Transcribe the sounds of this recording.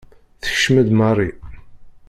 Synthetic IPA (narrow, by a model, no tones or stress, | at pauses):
θə̥çʃmæd̪mɑrˤːi